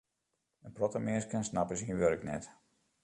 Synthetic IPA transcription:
ənprɔtəmɪskənsnapəsiənʋørəknɛ̰t

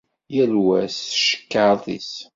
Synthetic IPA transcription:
jælwæsʃə̥kːaθḭs

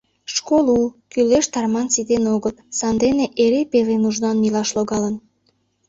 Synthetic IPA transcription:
ʃkolukyleʃt̪ɑrmɑnsid̪enoɣət̪sɑnd̪eneʔeɾepelenuʒnɑnmilɑʃloɣɑlən

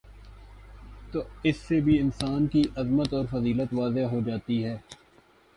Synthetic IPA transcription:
t̪oːɪsːebʱiɪnsaːnkiʔɐzmət̪ɔːɾfɐziːlət̪ʋaːzeɦod͡ʒaːt̪iɦɛː

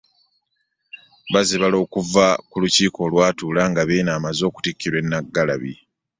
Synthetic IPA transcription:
βaziβalo̞ːkuvakuluciːko̞ːlwaːtuːlaŋɡaβeːnaːmazo̞ːku̥tikːiɾwe̞nːaɡːala̰βḭ

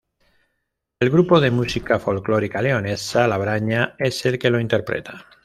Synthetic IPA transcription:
e̞lɣɾupo̞ð̞e̞musikafo̞lklo̞ɾikaleone̞salaβ̞ɾaɲae̞se̞lke̞lo̞int̪eɾpɾḛt̪a

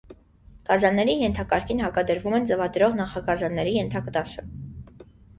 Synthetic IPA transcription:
kɑzɑnːɛɾijɛnt̪ʰɑkɑɾkʰinɦɑkɑd̪əɾvumɛnt͡səvɑd̪ɾɔʁnɑχɑkɑzɑnːɛɾijɛnt̪ʰɑkət̪ɑsə

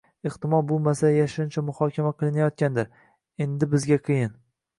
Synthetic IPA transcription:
ɪχt̪ɪmɒlˠbolˠmasajaʃʊnt͡ʃʰamʊhɒkʲʰamaqʰɨlˠɪnajɒt̪̚kʲand̪ɪɾ | e̞nd̪ɪbɪzɡʲaqʰɨjɪn

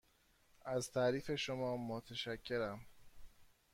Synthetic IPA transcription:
ʔæzt̪ʰæːɾiːfe̞ʃomɒːmot̪ʰeʃæcʰːe̞ɾæm

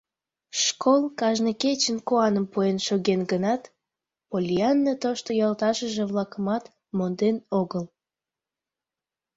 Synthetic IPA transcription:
ʃkʰolˠkɑʒnəket͡ɕənkoɑnəmpuenʃoɣenɡənɑt̪ | polʲiɑnːət̪oʃt̪ojɑlt̪ɑʃəʒeβlɑkəmɑt̪ | mond̪enoɣəl

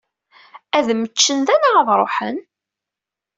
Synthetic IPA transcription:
æðmət͡ʃːənd̪ænaʁəðɾˤo̰ħə̰n

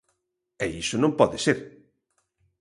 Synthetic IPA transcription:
ɛisʊnõmpɔðɪseɾ

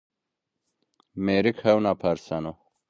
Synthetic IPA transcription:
meɾikhɐwnapʰɐɾsɐno

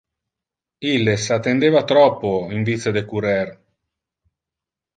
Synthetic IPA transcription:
ilːesat̪ːend̪eːvat̪ɾɔpːoiɱvised̪ekuɾɛr

